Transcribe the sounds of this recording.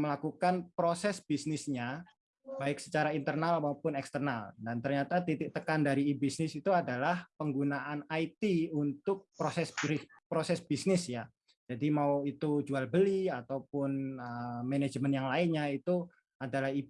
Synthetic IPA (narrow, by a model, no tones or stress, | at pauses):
məlakukanpɾosɛsb̥isnɪsɲa | b̥aɪk̚sə̥t͡ʃaɾaint̪ərnalmaupʊnɛkst̪ərnaldant̪ərɲat̪at̪it̪ɪk̚t̪əkandaɾiːbisnɪsit̪uadalahpəŋɡunaʔanait̪iunt̪ʊk̚pɾosɛsɾi | pɾosɛsbisnɪsja | d͡ʒ̥adimauit̪ud͡ʒualbəliat̪awpʊnəmened͡ʒmənjaŋlaɪnɲait̪u | adalahi